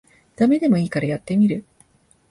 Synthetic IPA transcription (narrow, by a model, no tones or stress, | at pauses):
d̪̥ame̞d̪e̞mo̞iːkaɾajat̪ːe̞mʲiɾɯ̟